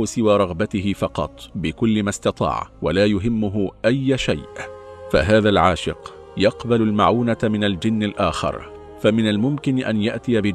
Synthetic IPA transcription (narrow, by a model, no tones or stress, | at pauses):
ʊsɪwaːɾˤɑɣbat̪ɪɦɪfɑqɑ̰t̪ˤbɪkʊlːɪmast̪ɑt̪ˤɑ̰ːʕwalaːjʊɦɪmːʊɦʊʔajːʃa̰jʔfa̰ɦaːðalʕaːʃɪ̰q | jɑqbalʊlmaʕuːnamɪnald͡ʒɪnːalʔaːxɑ̰ɾˤ | famɪnalmʊmkɪnʔanjaʔt̪ɪjabɪ